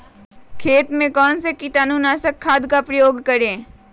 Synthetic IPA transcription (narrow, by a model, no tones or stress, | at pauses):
kʰeːt̪mẽkɔːnsekit̪aːnuːnaːsəkʰːaːd̪kapɾɐjoːɡkəɾẽː